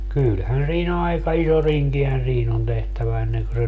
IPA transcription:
kylhæn siːn ɑikɑ iso riŋkihæn̞ siːn on tehtæʋæ enːeŋkø se

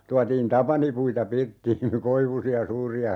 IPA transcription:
tuɑtiːn tɑpɑnipuitɑ pirtːiːn̞ koiʋusiɑ suːriɑ

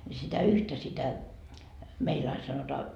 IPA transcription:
nʲi sitæ yhtæ sitæ meil ɑin sɑnotɑː

